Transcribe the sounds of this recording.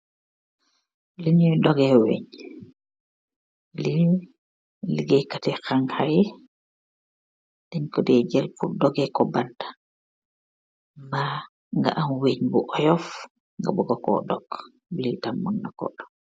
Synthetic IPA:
liɲujdɔɡɛwḛɲ | li | liɡɛkatɛkaŋhaj | d̥ɛɲkɔdɛd͡ʒɛlpudɔɡɛkɔbantḁ | mba | ŋɡa̰ʔamweɲbuʔɔjɔf | ŋɡa̰bɔɡɔkɔ̰ɗɔɡ | litamːaŋnakɔ̰dɔɡ̚

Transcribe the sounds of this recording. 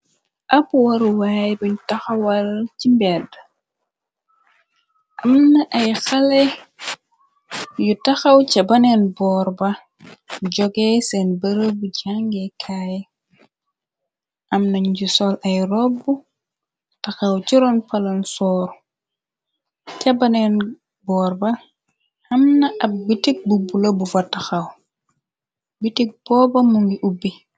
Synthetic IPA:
ʔɐpːuwɐɾuwaːjbiɲtɐxɐwɐlcimbɛd | ʔɐmnɐʔɐjxɐlɛ | jutɐxɐwcɐbɐnɛnbɔːɾbɐ | ɟɔɡɛsɛnbəɾəbuɟaŋɡɛkʰaːj | ʔɐmnɐɲɟusɔlɐjrɔbːu | tɐxɐwt͡ʃiɾɔnpɐlɐnsɔːɾ | cɐbɐnɛn | bɔːrbɐ | hɐmnɐɐp̚bitik̚bubulɐbufɐtɐxɐw | bitik̚b̥ɔːbɐmuŋɡiʔubːi

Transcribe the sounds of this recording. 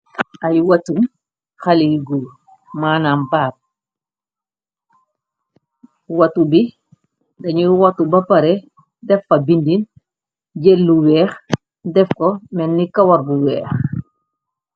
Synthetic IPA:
ɐjwɐtum | xɐliɡu | maːnambaːp̚ | wɐtubi | dɐɲiɾwɐtubɐpɐɾe | dɛfɐbindin | ɟelːuwɛːx | dɛfkɔmɛnːikɐwɐɾbuwɛːx

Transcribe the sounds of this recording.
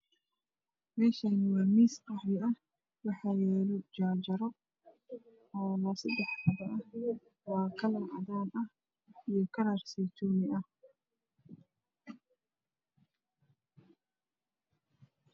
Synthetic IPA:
mɛːʃɐnɪwɑːmiːsqɑħɾɪɐh | wɑħɑːjɛːlɔd͡ʒaːd͡ʒɐɾɔ | ɔːlɐsɐd̪ɛħtɐðɐʔɐh | wɑːkʰɐlɐʕɑðaːnɐh | ijɞkʰɐlɐrsit̪ʰuːmɪʔɐh

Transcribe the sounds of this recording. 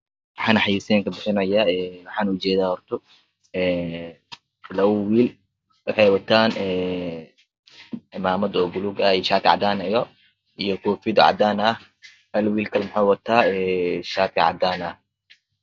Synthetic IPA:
wɑħɑːnɐħɑjiːsɛːŋkɐbɪħɪnɐjaːɛːwɑħɑːnʊt͡ʃɛːðaːhɔrt̪ʰɔ | ɛː | lɐwwiːl | wɑħɑjwɐt̪ʰaːnɛː | maːmɐd̪ɔɡʊluɡɐiʃaːt̪ʰɪʕɑ̰d̪aːnɐjɔ | ʔijɔkʰɔːfɪd̪ʊʕɑ̰d̪aːnɐh | hɐlwiːlkʰɐlmʊħaːwɑt̪ʰaːɛːʃaːt̪ʰɪʕɑ̰d̪aːnɐh

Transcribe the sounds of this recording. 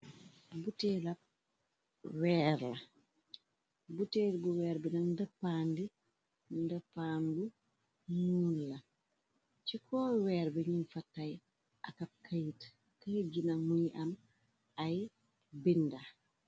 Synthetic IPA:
butɛlɐ | wɛːɾlɐ | butɛːlbuwɛːɾbɛnɐndɐpːaːndi | ndɐpːaːndu | muːnlɐ | t͡ʃikʰɔːwɛːɾbɛɲinfatːaj | ʔakɐp̚kʰɐjit | kaɟinamuniʔɐm | aj | binda

